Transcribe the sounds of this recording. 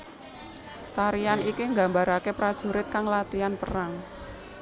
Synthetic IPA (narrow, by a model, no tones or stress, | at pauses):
t̪aɾianikiŋɡa̤mbaɾakepɾad̥ʒ̥ṳɾɪt̪̚kaŋlat̪ianpəraŋ